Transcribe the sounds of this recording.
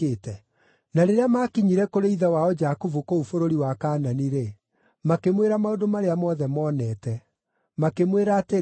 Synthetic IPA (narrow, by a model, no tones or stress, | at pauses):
etɛ | naɾeɾeamakiɲiɾɛkoɾeiðawaɔd͡ʒakovukoufoɾoɾiwakaːnaniɾe | makemweɾamaodomaɾeamɔðɛmɔːnɛtɛ | makemweɾaːte